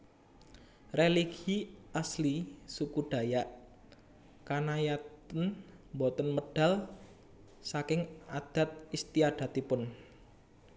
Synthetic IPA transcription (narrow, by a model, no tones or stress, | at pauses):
reliɡiaslisukuɖ̥a̤jaʔ | kanajat̪ən | mbot̪ənməɖ̥a̤l | sakɪŋad̪̥a̤t̪̚ist̪iad̪̥a̤t̪ipʊn